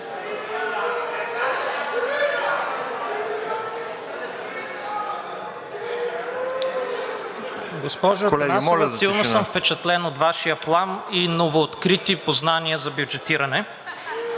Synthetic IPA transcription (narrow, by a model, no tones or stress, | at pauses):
ɡospɔʒokolɛɡamɔlilˠnosəmfpɛt͡ʃɐt̪lɛnot̪vaʃijəplˠaninovoːt̪kɾit̪ipoznaniəzɐbjud͡ʒɛt̪iɾɐnɛ